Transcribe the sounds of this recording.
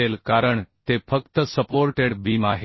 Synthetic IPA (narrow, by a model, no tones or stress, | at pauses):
elkaɾəɳt̪efʰək̚t̪əsəpoɾʈeɽbʱimaɦe